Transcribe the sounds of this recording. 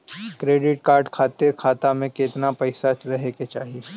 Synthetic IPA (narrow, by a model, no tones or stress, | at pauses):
kɾeːɖɪʈkaːɾɖkʰaːt̪eɾkʰaːt̪amẽkeːt̪napɛɪsat͡ʃɾɐɦeket͡ʃaːɦie